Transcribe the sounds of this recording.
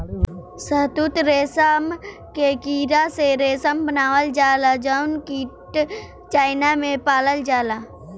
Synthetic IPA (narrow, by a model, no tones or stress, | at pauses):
səɦt̪ut̪ɾeːsəm | kekiːɾaseɾeːsəmbənaːwəld͡ʒaːlad͡ʒaʊnkiːʈ | t͡ʃaːɪnamẽpaːləld͡ʒaːla